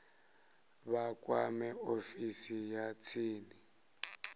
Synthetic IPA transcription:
βakʼwa̰mɛofisijat͡sʰiːni

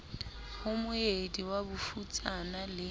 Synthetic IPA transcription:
hʊmʊediwabʊfut͡sʼanalɪ

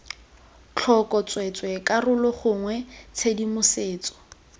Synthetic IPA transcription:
t͡ɬʰɔkʼɔt͡sʼwɛt͡sʼwɛkarʊlʊχʊŋwɛt͡sʰedimʊseːt͡sɔ̥

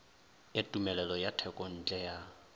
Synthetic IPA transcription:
ɪtʼumɛlɛlɔjatʰɛkʼɔn̩t͡ɬʼɛja

